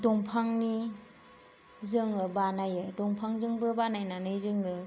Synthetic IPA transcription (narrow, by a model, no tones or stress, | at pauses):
dɔŋpʰaŋni | zɯŋɯbanajɯdɔŋpʰaŋzɯŋbɯbanajnanɯjzɯŋɯ